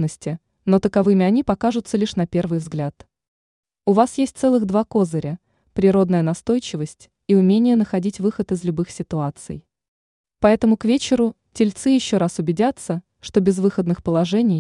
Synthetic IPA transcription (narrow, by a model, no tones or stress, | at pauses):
nəsʲtʲɪ | no̞t̪əkɐvɨmʲɪɐnʲipɐkaʐʊt̪səlʲiʂnɐpʲe̞rvɨjvzɡlʲat̪ | ʊvasjesʲt̚ʲt̪sɛlˠɨɣd̪vako̞zəɾʲə | pɾʲɪɾo̞d̪nəjənɐst̪o̞jt͡ɕɪvəsʲtʲ | iʊmʲenʲɪjənəxɐdʲitʲvɨxət̪ɨzlʲʊbɨxsʲɪt̪ʊat̪sɨ̰j | pɐɛt̪əmʊkvʲet͡ɕɪɾʊ | tʲɪlʲt̪sɨjɪɕːo̞ɾasʊbʲɪdʲat̪sːə | ʂt̪o̞bʲɪzvɨxəd̪nɨxpəlˠɐʐɛnʲɪj